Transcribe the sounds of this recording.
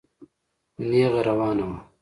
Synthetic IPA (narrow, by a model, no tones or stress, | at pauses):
neːɣɐɾɐwaːnɐwa